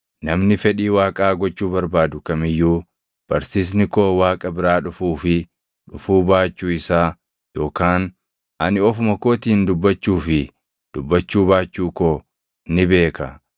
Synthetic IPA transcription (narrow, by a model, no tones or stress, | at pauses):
nɐmnɪfɛᶑiːwaːkʼaːɡɔt͡ʃːuːbɐɾbaːd̪ʊkɐmɪjːuː | b̥ɐɾsiːs̬nɪkoːwaːkʼɐbɪɾaːᶑʊfuːfɪ | ᶑʊfuːbaːt͡ʃːuːɪsaː | jo̞ːkaːn | ʔɐnɪɔfʊmɐkoːt̪iːnd̪ʊbːɐt͡ʃːuːfɪ | d̪̥ʊbːɐt͡ʃːuːbaːt͡ʃːuːkoː | nɪbe̞ːkɐ